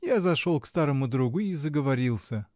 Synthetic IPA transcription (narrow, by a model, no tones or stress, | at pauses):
jazaʂolˠkst̪aɾəmud̪ɾuɡuizəɡəvaɾʲilˠsʲə